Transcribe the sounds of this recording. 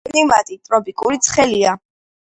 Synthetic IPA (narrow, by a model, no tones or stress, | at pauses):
nimat̪ʼit̪ʼɾɔpʼikʼuɾit̪sʰχɛlia